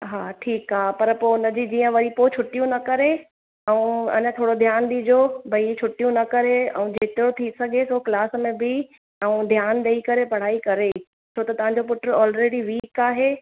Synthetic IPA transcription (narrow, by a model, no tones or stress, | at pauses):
ɦaːʈʰiːkaːɦpɐɾpoːʊnəd͡ʑid͡ʑiːə̃ʋɐɾipot͡ɕʰʊʈijũnɐkɐɾe | ɛũɐ̰ɲə̆t̪ʰoːɽod̪ʱjaːnɗ̪iːd͡ʑobʱɐit͡ɕʰʊʈijũnɐkɐɾeɛ̰ũd͡ʑeːt̪ɪɾot̪ʰisɐɡʱesoːklaːsmẽbʱɪ | ɛũd̪ʱjaːnd̪ɐikɐɾepɐɽ̤aːikɐɾe | t͡ɕʰoːt̪ɐt̪ɐʋ̤ãːɲ̆d͡ʑop̬ʊʈəɾɔːlɾeːɽiʋiːkaːɦeː